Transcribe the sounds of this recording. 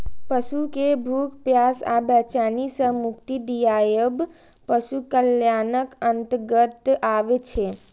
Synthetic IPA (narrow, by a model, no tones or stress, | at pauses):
pəʃukebʱuːkpjaːsa̰bɛt͡ʃaːnisə̃mʊkt̪id̪ijaːjəb | pəʃukəljaːnəkənt̪ɡət̪aːʋet͡ʃʰe